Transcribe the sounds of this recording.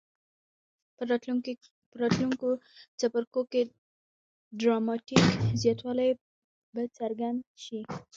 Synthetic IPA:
əɾɑt̪luŋkot͡sapaɾkoke | ɖɾɑmɑʈikzjɑt̪wɑlaj | bat͡saɾɡand̪ʃi

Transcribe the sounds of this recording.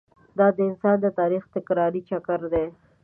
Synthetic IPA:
d̪ɑd̪əɪnsɑnd̪ət̪ɑɾixt̪ɪkɾɑɾit͡ʃakəɾd̪e

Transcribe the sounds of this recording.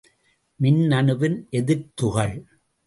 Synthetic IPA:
mɪnːɐnɯʋɪnʔɛðɪɾt̪ʊɣɐɭ

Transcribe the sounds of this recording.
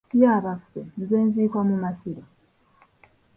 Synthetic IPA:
jaːβafːemuzeːnziːkoːmumasiɾo

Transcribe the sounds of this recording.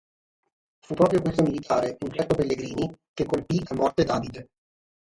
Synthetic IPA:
fupːɾɔːpɾjokwest̪omilit̪ʰaːɾeunt͡ʃɛrt̪opelːeɡɾiːnik̟ekːolpiamɔrt̪ed̪aːvid̪e

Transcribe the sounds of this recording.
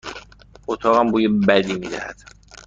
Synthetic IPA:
ot̪ʰɒːɣæmbuːjebæd̪iːmiːd̪æ̰hæ̰d̪̥

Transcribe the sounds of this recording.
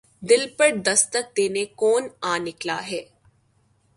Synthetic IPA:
d̪ɪlpəɾd̪ɐst̪ək̚d̪eːnekoːnaːnɪkla̰ːɦɛː

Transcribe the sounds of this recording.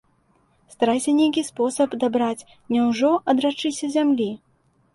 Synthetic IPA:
st̪aɾajsʲɐnʲejk̬ʲispɔsɐpd̪abɾat͡sʲ | nʲɛwʐɔɐd̪ɾat͡ʂɨsʲɐzʲamlʲi

